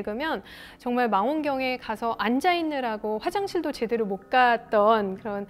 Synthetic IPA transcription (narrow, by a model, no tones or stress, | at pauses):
ɭɡɯmjʌn | t͡ɕʌŋmaɭmaŋɦonɡjʌŋe̞kasʰʌʔand͡ʑainːɯɾaɡoɸwad͡ʑaŋɕʰiɭdot͡ɕe̞deɾumok̚k͈at̚t͈ʌnkɯɾʌn